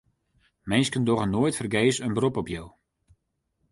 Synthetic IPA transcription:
mɛnskəndoɣənːoəjtfərɡeːsənbrupɔpjow

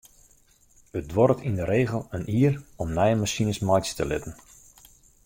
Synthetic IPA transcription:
ət̚dʋɔɾətʰindəɾeːɣəlˠənʔiːərɔmnɛjənmasinəsmɔjtstəlɪ̰tən̩

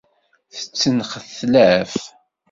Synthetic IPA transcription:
θə̥t͡sːənχəθlæf

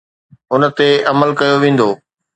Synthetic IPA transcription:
ʊnət̪eʔɐməlkɐjoʋẽːn̆d̪oː

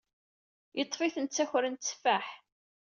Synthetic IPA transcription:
jət̪ˤːfiθənt͡sːæçɾənt̪t͡sːfæħ

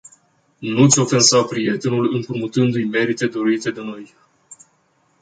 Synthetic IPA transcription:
nut̪sʲo̞fensawpɾije̞t̪e̞nulɨmpɾumut̪ɨnd̪ujme̞ɾit̪e̞d̪o̞ɾit̪e̞d̪e̞no̞j

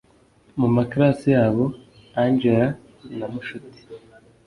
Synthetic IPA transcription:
mumakaɾasijaːβo̞ | aɲd͡ʒeɾa | namuʃuti̥

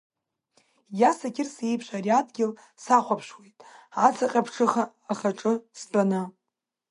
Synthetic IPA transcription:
jasakʲʰɪrse̞jpʰʃʷaɾiadɡʲɪl | saχʷapʰʂwejtʼat͡sʰʼaqʲʼapʰʂʰɨχaːχaʈ͡ʂʼɨsbʼanɨ

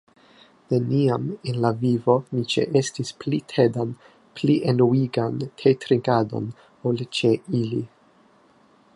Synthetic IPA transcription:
ne̞niamenlavivo̞nit͡ʃḛʔe̞stisplitʰe̞dan | pliʔenuiɡankʰejtɾiŋɡado̞̰n | olt͡ʃe̞ili

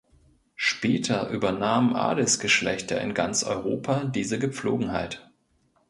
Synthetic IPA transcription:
ʃpɛːtʰɐʔyːbɐnaːmmʔa̰ːdəsɡ̥əʃlɛçtʰɐɪ̰nɡant͡sʔɔ̰ʏʁoːpʰadiːzəɡəp͡flo̰ːɡŋ̩ɦa̰ɪt

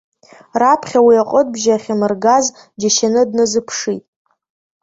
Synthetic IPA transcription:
rapʰχʲawiaqʷʼət̚ʼbʒaːχʲamɨrɡaz | d͡ʒaʃanɨdnɨzɨpʰʂitʼ

